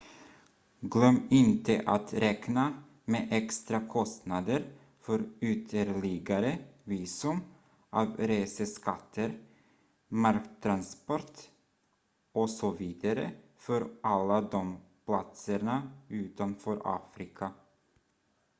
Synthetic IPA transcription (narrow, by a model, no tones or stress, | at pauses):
ɡlœmːɪnt̪əʔat̪ɾɛkna | meːʔɛkst̪ɾakʰɔst̪nad̪əɾ | fœɾʉt̪ʰəɾlɪɡaɾəviːsɵm | ʔɑːvɾeːsəskat̪ʰːəɾ | maɾkt̪ʰːɾanspɔɾt̪ | ɔsɔviːd̪aɾə̰ | fœɾʔalːad̪ɔmpʰlat̪səɳaʉːt̪anfœɾʔɑ̰ːfɾɪkʰa